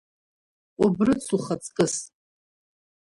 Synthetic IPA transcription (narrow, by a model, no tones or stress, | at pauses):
ubrɨt͡sʰuχat͡sʼkʼɨs